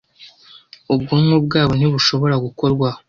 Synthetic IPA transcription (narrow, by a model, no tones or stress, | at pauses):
ubɡumŋubɡaːβon̥iβuʃo̞βo̞ɾaɡuko̞ɾɡwa